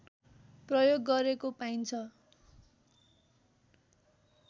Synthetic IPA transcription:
prʌjoɡːʌɾekopajnt͡sʰʌ

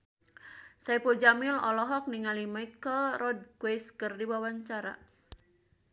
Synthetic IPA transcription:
saipud͡ʒamɪlɔ̰lɔɦɔk̚niŋalimajkəlrɔd̚kweskɨrdiwawaɲt͡ʃaɾa̰

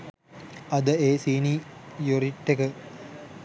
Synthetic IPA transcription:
ɐd̪əeːsiːnijoɾiʈːekə

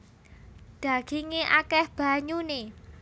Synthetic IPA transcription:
ɖ̥a̤ɡ̥iŋeʔakɛhb̥a̤ɲune

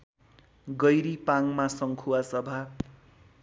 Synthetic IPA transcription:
ɡʌjɾipaŋmasʌŋkʰuwasʌbʱa

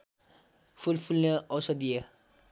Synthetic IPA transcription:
fʰulfʰulneɔsɔd̪ije

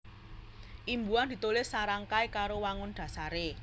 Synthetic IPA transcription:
ʔimbuand̪i̤t̪ulɪsːaɾaŋkajkaɾowaŋʊnɖ̪̥ä̤saɾe

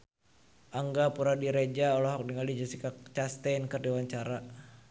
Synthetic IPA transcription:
ʔaŋɡapuɾadiɾed͡ʒaɔlɔɦɔk̚diŋalid͡ʒasikat͡ʃast̪enkɨrdiwaɲt͡ʃaɾa

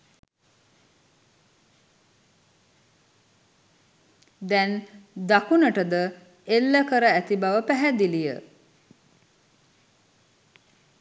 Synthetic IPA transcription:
d̪ɛnd̪akunəʈəd̪ə | elːəkəɾəæt̪ibaʋəpæɦæd̪ilijə̰

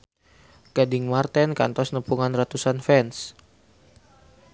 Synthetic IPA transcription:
ɡ̥adɪŋmart̪ɛnka̰nt̪ɔsnəpuŋanrat̪usanfɛns

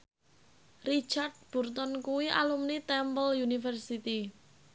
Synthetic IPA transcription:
rit͡ʃard̪̚b̥urt̪ɔnkuwiʔa̰lumnit̪ɛmpəljunifərsit̪i

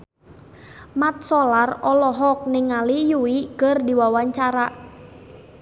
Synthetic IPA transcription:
mat̪̚sɔlarɔlɔɦɔk̚nɪŋalijuwikərdiwawaɲt͡ʃaɾa

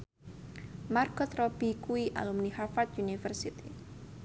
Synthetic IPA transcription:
markɔt̪ɾɔb̥i̤kuiʔa̰lumnihafat̪̚unifərsit̪i

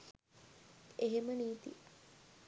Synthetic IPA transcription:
eɦeməniːt̪ḭ

